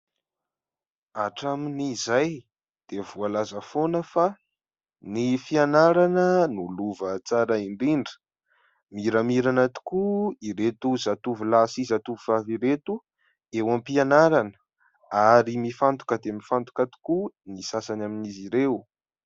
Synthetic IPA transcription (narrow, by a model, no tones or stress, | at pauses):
aʈ͡ʂaminizaj | d̪̥evualazəfonəfa | nifianaɾanənuluvət͡saɾaiɳɖ͡ʐiɳɖ͡ʐə̥ | miɾamiɾanat̪u̥kuiɾet̪uzat̪uvilasizat̪uvivaviɾet̪u | ewampianaɾanə | aɾimifant̪u̥kəd̪emifant̪u̥kat̪u̥kunisasanaminiziɾew